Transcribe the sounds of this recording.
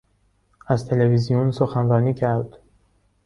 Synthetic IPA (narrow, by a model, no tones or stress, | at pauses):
æzt̪ʰe̞levizijunsoxænɾɒːniːcʰæɾd̪̥